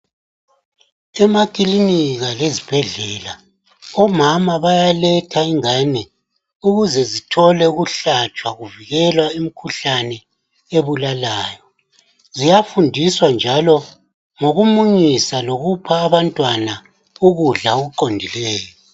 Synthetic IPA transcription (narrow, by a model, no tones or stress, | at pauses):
ɛmakʼiliniɣalezib̥ʱɛɮɛːla | ɔmamaβajalɛtʰaiŋanɛ | uɣuzɛzitʰɔlɛuɣuɬat͡ʃʼwaɣuviɣɛlwaim̩kʰuɬanɛ | eβulalaːjɔ | zijafundʱiswand͡ʒʱalɔ | ŋoɣumuɲisaloɣupʰaːβantʼwana | uɣuɮaoɣuǃondʱilɛːjɔ